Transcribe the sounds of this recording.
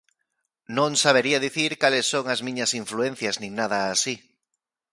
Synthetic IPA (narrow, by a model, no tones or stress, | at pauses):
nõŋsaβ̞eɾiaðiθiɾkalesːoŋazmĩɲasiɱfluẽnθjaznĩŋnaðaːsi